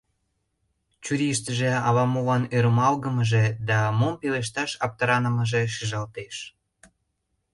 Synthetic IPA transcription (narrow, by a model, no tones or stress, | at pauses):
t͡ɕuɾiʃt̪əʒĕɑβɑmoβɑnøɾəmɑlɣəməʒed̪ɑmompeleʃ̬t̪ɑʃɑp̚t̪əɾɑnə̆məʒeʃiʒɑlt̪eʃ